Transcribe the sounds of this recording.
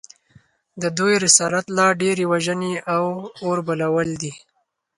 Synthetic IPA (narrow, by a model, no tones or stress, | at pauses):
d̪əd̪ujɾɪsɑlat̪lɑɖeɾewaʒəneawoɾbalawəld̪i